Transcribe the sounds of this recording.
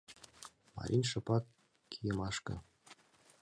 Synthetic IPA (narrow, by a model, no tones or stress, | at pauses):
mɑ̰ɾʲʔinʲʃɤ̆pɑkː | ijɤ̆mɑʃkɤ̰̆